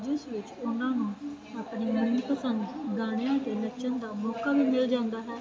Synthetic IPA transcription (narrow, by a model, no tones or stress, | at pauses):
d͡ʒʊsʋɪt͡ʃʊnãːnũː | aːpɳiːmɪɾnipəsənd̪ɡaːɽ̃ejãːət̪eːləːʃənd̪aːmɔːkaːʋiːmɪld͡ʒãːnd̪aːɦɛː